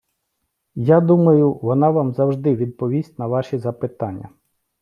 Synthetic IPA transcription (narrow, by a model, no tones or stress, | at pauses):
jad̪umɐjʊʋɔnɑʋɑmzɐwʒd̪ɪʋʲid̪̚pɔʋʲisʲtʲnɐʋɑʃizɐpɪt̪ɑnʲːɐ̰